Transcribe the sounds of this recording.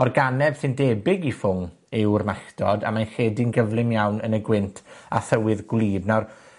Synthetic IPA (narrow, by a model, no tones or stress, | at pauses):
ɔrɡanɛv̥sɨndeːbɪɡifʊŋ | ɪwrmaχdʰɔda̰manχeːdinɡəvlˠɪmjawnənəɡwɪntʰa̰θəwɨðɡlˠiːbnar